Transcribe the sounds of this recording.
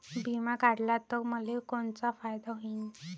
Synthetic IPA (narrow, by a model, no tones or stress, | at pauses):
bimakaɽlat̪ɔkməlekoɳt͡safajd̪aɦoin